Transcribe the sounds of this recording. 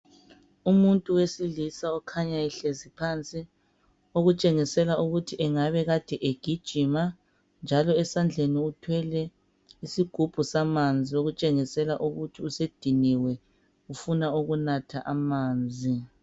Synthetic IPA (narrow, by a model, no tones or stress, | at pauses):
umuntʼuwesilisaɔkʰaɲaiɬezipʰant͡sʼi | oɣut͡ʃʼeŋisɛlauɣutʰiʔɛŋaβɛɣad̥ʱɛʔeɡ̥ʱid̥ʒ̥ʱima | nd͡ʒʱalɔɛsand͡ɮʱeniutʰwɛlɛ | isiɡ̥ʱub̥ʱusamand͡zʱioɣut͡ʃʼeŋisɛlaʔuɣutʰiused̥ʱiniwɛ | ufunauɣunatʰaʔamaːnd͡zʱi